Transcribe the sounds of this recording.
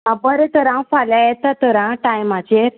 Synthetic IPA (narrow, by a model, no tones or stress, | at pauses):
ãbəɾet̪əɾãfaljajet̪at̪əɾãʈajmat͡ɕeɾ